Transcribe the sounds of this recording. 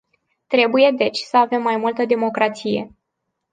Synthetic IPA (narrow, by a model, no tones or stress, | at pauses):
t̪ɾe̞buje̞d̪e̞t͡ʃʲsəave̞mːajmult̪əd̪e̞mo̞kɾat̪sije̞